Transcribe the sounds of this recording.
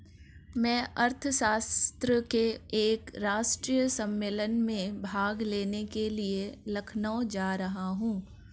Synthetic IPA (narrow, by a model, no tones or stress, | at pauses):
mɛ̃ːɐɾt̪ʰəʃaːst̪ɾəkeeːkɾaːʃʈɾijəsɐ̃mːeːlənmẽbʱaːɡleːnekelielɐkʰnaod͡ʒaːɾɐɦaɦũː